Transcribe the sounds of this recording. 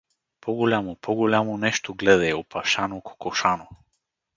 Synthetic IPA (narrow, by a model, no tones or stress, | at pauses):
pʰɔɡolʲamopʰɔɡolʲamonɛʃt̪oɡlɛd̪ɛjopʰaʃanoko̥kɔʃano